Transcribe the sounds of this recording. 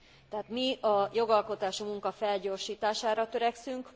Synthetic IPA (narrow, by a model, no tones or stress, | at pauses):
t̪ɛɦaːt̪miɒjo̞ɡɒlko̞t̪aːʃimuŋkɒfɛlɟo̞ːrʃiːt̪aːʃaːɾɒt̪øɾɛksyŋk